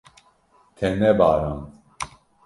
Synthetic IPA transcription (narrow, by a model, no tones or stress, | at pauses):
t̪ʰɛnɛbaːɾan